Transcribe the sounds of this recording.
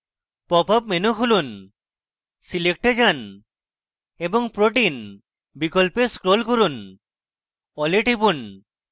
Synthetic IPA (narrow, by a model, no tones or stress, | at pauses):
pɔpapmenukʰulun | silek̚ʈed͡ʒan | ebɔŋpɾoʈin | bikɔlpeskɾolkoɾun | ɔleʈibun